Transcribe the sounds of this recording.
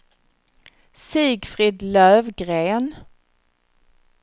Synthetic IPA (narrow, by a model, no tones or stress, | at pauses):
siːɡfɾiːd̪lœːvɡɾeːn